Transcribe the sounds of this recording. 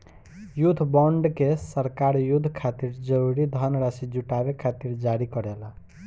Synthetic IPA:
jud̪ʱːbɔɳɖkesəɾkaɾjud̪ʱːkʰat̪iɾd͡ʒəɾuɾid̪ʱʌnɾasid͡ʒuʈabekʰat̪iɾd͡ʒaɾikʌɾela

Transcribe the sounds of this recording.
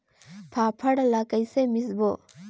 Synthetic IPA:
pʰapʰɐɽlakajsemisbɔ

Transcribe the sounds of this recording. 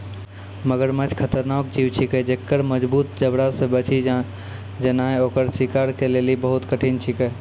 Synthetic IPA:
məɡəɾmət͡ʃʰkʰət̪əɾnaok̚d͡ʒiwt͡ʃʰikɛd͡ʒekːəɾməd͡ʒbut̪̚d͡ʒəbɽasẽbət͡ʃʰi | d͡ʒənaeokəɾsikaɾkelelibəɦut̪kəʈʰint͡ʃʰikɛ

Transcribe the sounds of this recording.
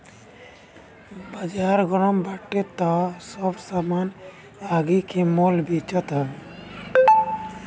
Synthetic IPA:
bad͡ʒaɾɡɔɾɔmbaʈːet̪ːɔsɔbsaman | aɡikemolbit͡ʃət̪a

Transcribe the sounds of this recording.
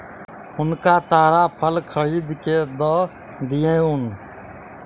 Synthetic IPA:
ʊnkaːt̪aːɾaːpʰəlkʰəɾiːd̪keːd̪oː | d̪ɪjẽːʊn

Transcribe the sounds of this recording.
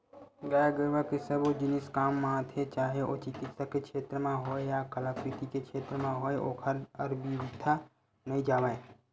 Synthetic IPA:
ɡəjaɡəʋakisəbod͡ʒɪnɪskaːmːãt̪ʰet͡ʃaːɦeʔo̰ːt͡ʃɪkɪt̪səkekʃeːt̪ɾəmãɦoːejakəlakɾit̪ikekʃʰeːt̪ɾəmãɦoːeʔoːkʰəɾəɾbiɾɪt̪ʰa | nɐɦĩd͡ʒaːʋaẽ

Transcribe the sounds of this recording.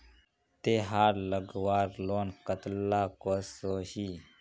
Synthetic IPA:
t̪eːɦaːɾləɡwaːɾloːnkət̪laːkosoːhiː

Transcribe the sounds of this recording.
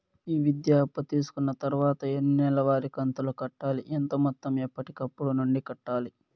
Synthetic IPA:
iːʋid̪jaːpːɐt̪iːsu̥kunːɐt̪ɐɾuʋaːt̪ɐeniɛlɐʋaːɾikɐnt̪ulokɐʈːaːliʔent̪ɐmɔt̪ːɐmepːɐʈikɐpːuɽunuɳɖikɐʈːaːli

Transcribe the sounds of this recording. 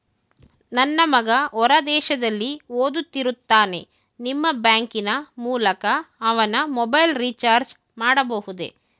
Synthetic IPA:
nɐnːɐmɐɡɐʔɔɾɐd̪ɛːʃɐd̪ɐlːioːd̪ut̪ːiɾut̪ːaːne̞̰ | nimːɐbjaːŋkinɐmuːlɐkɐːʋɐnɐmɔbɐjlɾit͡ʃaːɾd͡ʒ | maːɽɐbɐɦud̪ḛ

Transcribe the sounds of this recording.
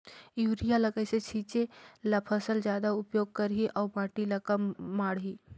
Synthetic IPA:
juːɾijaləɡəjset͡ʃʰit͡ʃeləpʰəsəld͡ʒjad̪aupjoɡ̚kəɾɦiʔaubãʈiləkəmːaːɽɦi

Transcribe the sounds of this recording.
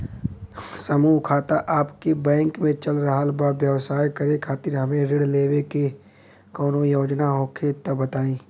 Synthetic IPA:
sɐmuːkʰaːt̪aʔaːpkebɛ̃ːŋkmẽt͡ʃɐlɾɐɦalbaːʋjəʋsaːjkɐɾẽkʰaːt̪ɪɾɦɐmẽɾɪɽleːweke | kɔːnojoːd͡ʒnaɦoːkʰet̪obɐt̪aːĩː

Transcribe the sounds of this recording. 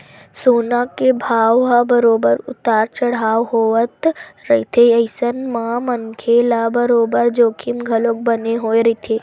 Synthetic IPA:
soːnakebʱaːʋabəɾoːbəɾʊ̰t̪aːɾt͡ʃɐɽ̤aːwɦoːʋət̪ɾəit̪ʰeəɪsənmãmənkʰeːlabəɾoːbəɾd͡ʒoːkʰimɡʱɐloːk̚bɐneɦoːeɾəit̪ʰeː

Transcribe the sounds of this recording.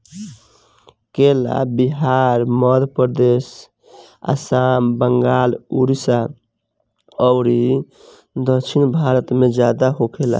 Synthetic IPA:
kela̰biɦaɾməd̪ʱpəɾd̪es | a̰sambəŋɡaluɾisa | ɔʊɾi | d̪ət͡ʃʰinbʱaɾət̪med͡ʒad̪aɦokʰela̰

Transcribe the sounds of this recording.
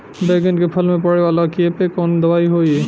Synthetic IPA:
beɡɪnkepʰəlmẽpəɽeʋaːlakiepekɔːnd̪ɐʋaːiɦoːie

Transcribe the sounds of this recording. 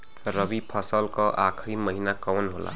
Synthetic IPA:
ɾʌbipʰʌsəlkɔʔakʰɾiməɦinakɔwnɦola̰

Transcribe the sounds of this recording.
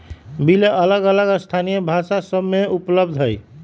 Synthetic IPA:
bileʔələɡələɡəst̪ʰanijəbʱasasəbmeupləb̚d̪ʱɦəj

